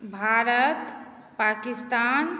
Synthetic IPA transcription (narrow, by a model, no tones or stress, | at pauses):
bʱaɾət̪ | pakist̪an